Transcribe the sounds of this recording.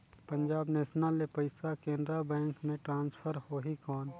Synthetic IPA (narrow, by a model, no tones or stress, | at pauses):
pəɲd͡ʒaːbnɛːʃnalepɐɪsakẽːnd̪ɾabɛ̃ːŋkmẽʈɾãːnspʰəɾhoːɦikɔːn